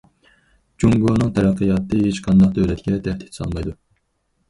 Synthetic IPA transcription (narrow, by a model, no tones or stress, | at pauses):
d͡ʒuŋɡonɨŋt̪ʰɛɾɛqʰːəjɑːt̪ʰːɨhet͡ʃqʰɑnd̪ɑχd̪ølɛt̪ɡʲɛt̪ʰɛht̪ʰi̥t̪sɑ̰lˠmɑjd̪u